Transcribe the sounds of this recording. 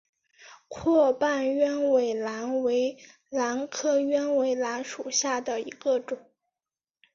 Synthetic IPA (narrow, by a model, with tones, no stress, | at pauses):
kʰwɔ˥˧pa˥˩nɥɛ˥nwe˧˩ɪla˧˥nwe˧˥ɪ | la˧˥nkʰɤ˥ɥɛ˥nwe˧˥ɪla˧˥nʂu˨˩ɕja˥˩d̪ə˩ḭ˧˥ɡə˧ʈ͡ʂʊ˨˩˦ŋ